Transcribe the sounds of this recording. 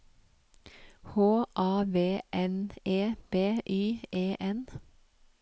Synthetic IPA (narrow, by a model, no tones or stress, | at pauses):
hoːʔɑːʋeːʔɛneːb̥eːʔyːʔeːʔɛn